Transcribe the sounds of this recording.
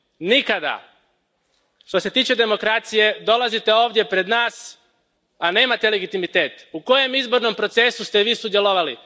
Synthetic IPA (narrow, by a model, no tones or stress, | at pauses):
nikad̪a̰ | ʃt̪o̞se̞t̪iːt͡ʃe̞d̪e̞mo̞kɾat̪sije̞d̪o̞lazit̪e̞o̞ːʋd̪je̞pɾe̞d̪naːs | ane̞ːmat̪e̞le̞ɡit̪imit̪e̞ːt̪uko̞je̞mizbo̞ɾno̞mpɾo̞t̪se̞sust̪eʋiːsud̪jeloʋali